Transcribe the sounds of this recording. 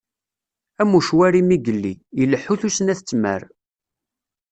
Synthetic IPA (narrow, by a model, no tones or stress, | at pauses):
æmːuʃwæɾimiɡəlːḭiləħːuθusənæθət͡sːmə̰ɾ